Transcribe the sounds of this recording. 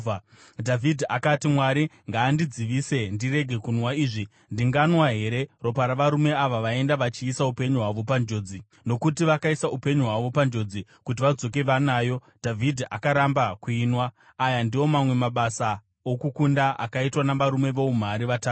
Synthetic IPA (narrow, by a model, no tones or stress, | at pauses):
dʱavʱidʱiakatimwaɾiŋɡaːndid͡ziʋiːse̞ndire̞ɡʱe̞kunwaiːʐi | ndiŋɡanwaɦe̞ɾe̞ro̞paɾaʋaɾume̞aʋaʋae̞ndaʋat͡ʃiːsaupe̞ɲuɦwaʋo̞pand͡ʒo̞ːd͡zi | no̞kutiʋakaisaupe̞ɲuɦwaʋo̞pand͡ʒo̞d͡zi | kut̬iʋad͡zo̞ke̞ʋanaːjo̞ | d̥ʱavʱidʱiʔakaɾambakuiːnwaː | jandiwo̞mamwe̞maɓasa | okukundaʔa̰kaitwanaʋaɾume̞ʋo̞um̤aɾiʋataːtu